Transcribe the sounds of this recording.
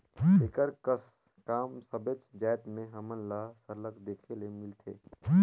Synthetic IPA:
ekəɾkəs | kaːmsəbet͡ʃd͡ʒaːjt̪mẽɦəmənlasəɾləkd̪ekʰelemilt̪ʰḛː

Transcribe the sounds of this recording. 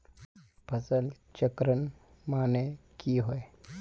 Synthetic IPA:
pʰəsəl | t͡ʃəkɾən | maːnekiɦoe

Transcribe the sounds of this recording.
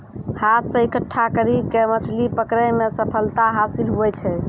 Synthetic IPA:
hat̪ʰsə̃ikəʈʰːakəɾib̚kemət͡ʃʰlipəkɾɛmesəpʰəlt̪aɦasilɦuɛt͡ʃʰɛ

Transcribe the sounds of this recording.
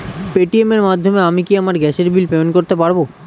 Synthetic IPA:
peʈiemeɾmad̪ʱːomeamikiamaɾɡɛʃeɾbilpeonkoɾt̪epaɾbo

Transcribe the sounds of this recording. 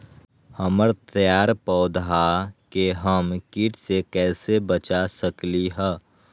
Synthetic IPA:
həməɾt̪əjaːɾpɔːd̪ɦakeɦəmkiːʈsekɛːsebət͡ʃasəkliɦɛː

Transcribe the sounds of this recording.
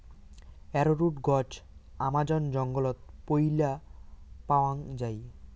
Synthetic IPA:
ɛɾoɾuʈɡɔd͡ʑamad͡ʑɔnd͡ʑɔŋɡɔlɔt̪̚pojla | pawaŋd͡ʑaj

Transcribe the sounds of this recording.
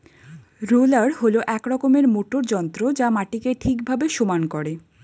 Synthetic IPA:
ɾulaɾholoʔɛkɾɔkomeɾmoʈoɾd͡ʑɔnt̪ɾod͡ʑamaʈikeʈʰikbʱabeʃomankɔɾe

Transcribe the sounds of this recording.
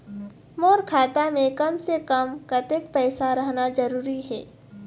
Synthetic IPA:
moːɾkʰaːt̪amẽkɐmsekɐmkɐt̪ɪkpɛːsaɾɐɦnad͡ʒɐɾuːɾiɦɛː

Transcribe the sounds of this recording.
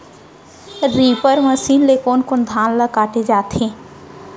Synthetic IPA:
ɾiːpəɾməsiːnlekoːnkond̪ʱãːnləkaːʈed͡ʒaːt̪ʰẽ

